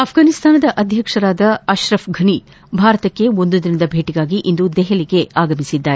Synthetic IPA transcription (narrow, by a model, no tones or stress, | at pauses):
ɐpʰɡaːnist̪ʰaːnɐd̪ɐʔɐd̪ʱjɐkʂɐɾaːd̪ɐɐʃɾɐfɡʱɐni | bʱaːɾɐt̪ɐkːe̞o̞nd̪ud̪inɐd̪ɐbʱeːʈiɡaːɡiʔind̪ud̪ɛɦeliɡe̞aːɡɐmisid̪ːaːɾe